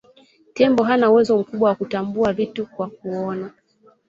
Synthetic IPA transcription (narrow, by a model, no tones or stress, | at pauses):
tɛmbɔɦanauwɛzɔm̩kuɓwawakutambuavitukwak̚uɔna